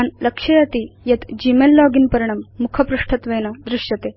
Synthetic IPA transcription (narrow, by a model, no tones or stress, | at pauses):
anləkʂɐjɐt̪ijɐt̪d͡ʑimelːɔɡinpɐɾiɳ̃ɐmːukʰɐpɾuʂʈʰɐt̪ʋejnad̪ɾuɕjɐt̪e